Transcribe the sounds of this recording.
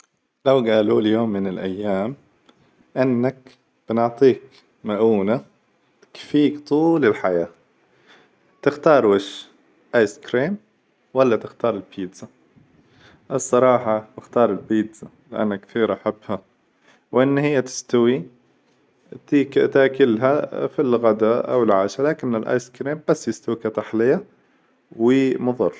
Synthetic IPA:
lawɡaːluːljoːmːɪnɪlʔajːaːm | ʔɪnːak | b̥ɪnɪʕt̪ˤiːk | maʔuːna | kfiːkt̪ˤuːlɪlħajaː | t̪ɪxt̪ɑːɾˤwɪʃ | ʔaːjskɾiːm | walːat̪ɪxt̪ɑːɾˤɪlpʰiːt̪sa | ʔɪsˤːɑɾˤɑːħɑbɪxt̪ɑːɾˤɪlbiːd̪za | lɪʔa̰nːakθiːɾʔaħabːha | wʔɪnːhɪjːat̪ɪ̥st̪awi | t̪ikt̪aːkɪlɦafilɣad̪aʔa̰wɪlʕaːʃalaːkɪnɪlʔa̰ːjskɾiːmb̥asːjɪst̪awikat̪aħlɪja | wɪmʊðˤɑrˤː

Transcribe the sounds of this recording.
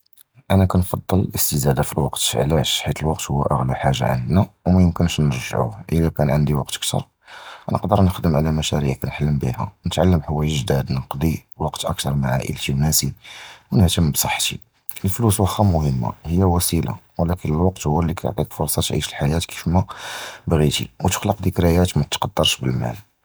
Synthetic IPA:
ʔænækænfɑd̪ˤːələlʔəst̪əzæd̪afilwɑqt̪ʕlæʃħit̪əlwɑqt̪hʊwːæ̰ʔəɣluħaʒːa̰ʕa̰nːæwmæjəmkənʃnəɾʒə̰ʕṵhʔəlækænʕənd̪iwɑqt̪ək̚t̪ʰɑ̰ɾˤ | ʔænə̰qd̪əɾˤnəxd̪əmʕalæmæʃæɾiʕkænħalːəmbḭhæ̰nət̪ʕalːəmħəwæjəlʒd̪æd̪nəqd̪ˤiwɑqt̪ʔək̚t̪ɑɾˤmaʕa̰ʔə̰lt̪iwnæsiwnəht̪əmbsˤɑħːt̪ḭ | ʔəlfluswɑxɑmʊhəmːa̰həjːæwæsila̰wlækənəlwɑqt̪hʊwːælːikæt̪ʕt̪ˤikfʊɾˤsˤɑt̪ʕḭʃəlħajæt̪ki̥fmæbɣit̪ḭwt̪ə̥xləqd̪ikɾæjæt̪mæt̪t̪qɑd̪ːɑɾˤʃbəlmæ̰l

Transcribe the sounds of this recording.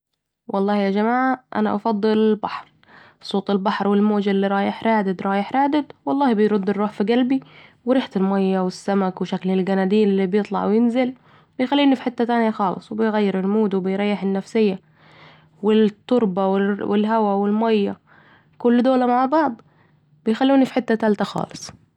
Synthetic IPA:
wʔɑlˤːɑːhjad͡ʒamaːʕaʔa̰naʔɑ̰fɑd̪ˤːɨlɪlbɑħɾ | sˤoːt̪ˤɪlbɑħɾˤwɪlmoːd͡ʒɪlːiɾˤɑːjɪħɾˤɑːd̪ɪd̪ɾˤɑːjɪħɾaːd̪ɪd̪wɑlˤːɑːhbɪjɾʊd̪ːɪrˤːuːħfiɡalbiwɪɾiːħt̪ɪlmajːawɪsːamakwɪʃaklɪlɡanad̪iːlɪlːibjɨt̪ˤlɑ̰ʕwɪjɪnzɪl | bɪjxalːiːnifiħɪt̪ːat̪aːnjaxɑːlɨ̰sˤwbɪjɣajːɪɾɪlmuːd̪wɪbɪjɾˤɑjːɪħɪnːafsɪjːa | wɪt̪ːʊɾˤbawɪwɪlhawawɪlmajːa | kʊlːd̪oːlamaʕbɑʕd̪ˤ | bɪjxalːuːnifiħɪt̪ːat̪alt̪axɑ̰ːlɨsˤ

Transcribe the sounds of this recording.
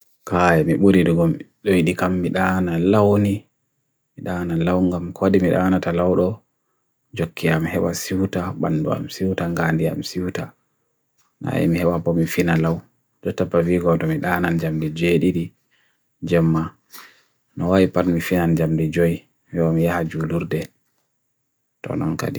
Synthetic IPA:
kajɛmiɓuɾiɗuɡɔmɗɔjiɗikamːiɗaːnalawni | miɗanalawŋɡamkɔadimiɗa̰ːnatalawɗɔ | d͡ʒokʰːiamhɛɓa̰siwtaɓa̰nːdṵa̰msiwtaŋɡandia̰msiwta | na̰ḭmihɛɓapɔmifinalaw | d͡ʒɔtːapːaviɡɔtɔmiɗanand͡ʒamdid͡ʒeɗiɗi | d͡ʒɛmːa | nɔwajipatmifinand͡ʒamdid͡ʒɔj | wɛɔmijahad͡ʒuluɾdɛ | tɔ̰nɔ̰nka̰di

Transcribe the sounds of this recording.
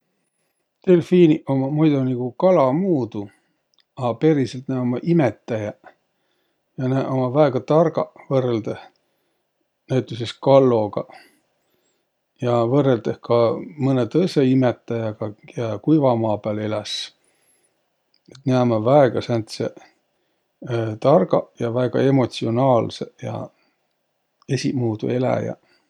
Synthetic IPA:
t̪e̞lfiːniʔomɑmujd̪uniɡ̥ukɑlɑmuːd̪̥u | ɑpe̞ɾiselt̪næomɑʔimet̪ːˑɑjɑ | jɑnæʔomɑvæeɡ̥ɑt̪ɑrɡɑ̰vɤrːeld̪eh | næwt̪ːˑus̬eskɑlːo̞ɡ̥ɑ | jɑvɤrːeld̪̥ehkɑmɤnet̪ɤjseimet̪ːˑɑjɑɡ̥ɑjɑkujvɑmɑːpæːlelæs | et̪ːneɑmɑvɑeɡ̥ɑsænt̪se | t̪ɑrɡ̥ɑjɑvæeɡ̥ɑ̰e̞mo̞t̪sio̞nɑːlsejɑ̰ | esʲimuːd̪ṵe̞læ̰jɑ̰

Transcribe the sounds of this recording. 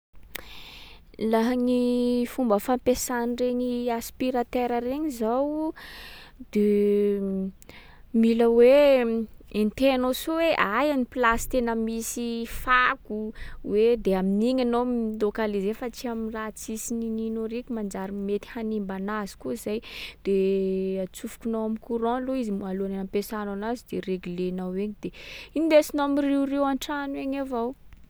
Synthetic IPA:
laɦaɲifumbəfampesanireɲiaspiɾat̪eɾəɾeɲizaw | d̪̥e | miləwe | ent̪eanosuweʔajanipilasi̥t̪enəmisifakuwed̪eaminiɲanomlokalizefat͡siamirat͡sisinininoɾikʲumand͡ʒaɾimet̪i̥hanimbanazi̥kuizajd̪̥eat͡sufu̥kʲunawamikuɾɔ̃loizimualuananampesananazid̪̥ereɡulenaweɲid̪̥einid̪esinomiriurewaɳʈ͡ʂanweɲavaw

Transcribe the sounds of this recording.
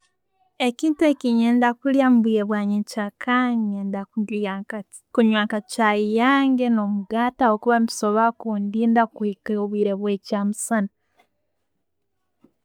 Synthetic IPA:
e̞ciːntue̞ciɲeːndakuljamubiɾeβwaːɲecakʰaɲendaua | kuɲwaːkat͡ʃajijaːŋɡeno̞muɡaːtaokuβamiso̞βakuːndiːndakwikoβwiːɾe̞βwe̞caːmusana

